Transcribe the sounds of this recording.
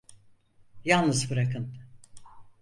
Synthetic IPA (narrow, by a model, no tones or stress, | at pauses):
jalˠnɯzbɯɾakʰɯn